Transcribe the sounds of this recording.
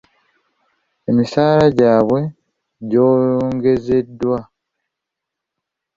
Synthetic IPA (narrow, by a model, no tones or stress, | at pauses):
emisaːlaɟaːβwe̞ | ɟo̞ːloːŋɡe̞ze̞dːwa